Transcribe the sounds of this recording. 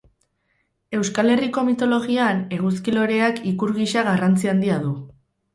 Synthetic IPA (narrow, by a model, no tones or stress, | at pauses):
e̞wskale̞riko̞mit̪o̞lo̞ɣ̞iane̞ɣ̞uskilo̞ɾe̞akikuɾɣiʃaɣarant͡siand̪iaðu